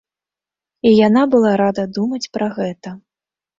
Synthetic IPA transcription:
ijanabɨlˠaɾad̪ɐd̪umɐt͡sʲpɾɐɣɛt̪ɐ

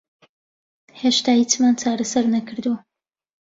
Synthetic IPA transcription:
heʃt̪aːhit͡ʃmaːnt͡ʃaːɾɐsɐɾnɐkɨɾd̪uɐ

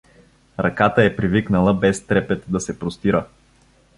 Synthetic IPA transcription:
ɾɐkat̪əɛpɾiviknəlˠəbɛst̪ɾɛpɛt̪d̪ɐsɛpɾost̪iɾə

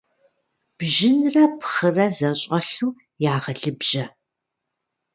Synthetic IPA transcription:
b̥ʒɪnrɐpχərɐzɐɕʼɐɬuː | jaːʁɐɬɨbʒɐ

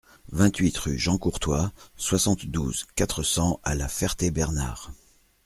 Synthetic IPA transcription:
vɛ̃t̪ɥit̪ʁy̰ʒɑ̃kuʁt̪waswasɑ̃t̪d̪ṵzkat̪χəsɑ̃alafɛʁt̪ebɛʁna̰ːʁ

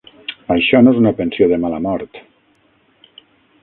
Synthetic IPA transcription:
ajʃɔnoezunapensioðəmalamɔɾt̪

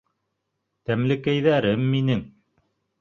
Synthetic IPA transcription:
t̪æmlɘ̆kæjðæɾɘmːinɘŋ

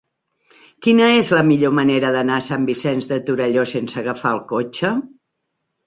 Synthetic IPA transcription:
kinəezləmiʎoməneɾəðənasambisɛnzðət̪uɾəʎosensəːɣəfaəlˠkot͡ʃə

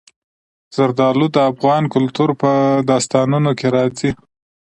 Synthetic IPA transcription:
z̥aɾd̪ɑlud̪əafɣɑnkʊlt̪uɾpəd̪ɑst̪ɑnunokeɾɑzi

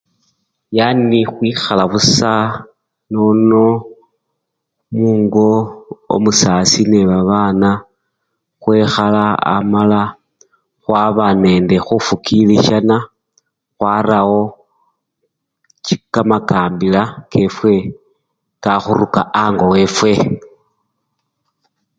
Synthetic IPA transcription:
janixwiːxalaβusa | nono̞ | muːŋɡoo̰musasineβaβaːna | xwe̞xalaa̰mala | xwaβane̞nde̞xufukiliʃana | xwaɾawo̞ | t͡ʃikamakaːmbilake̞fwe̞ | kaxuɾukaʔaŋɡo̞we̞fwe̞

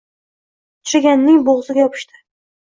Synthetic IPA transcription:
t̪ʰʊ̥ʃaɡʲanːɪŋboʁzɪɡʲajɒpʰɪ̥ʃt̪ɪ̥

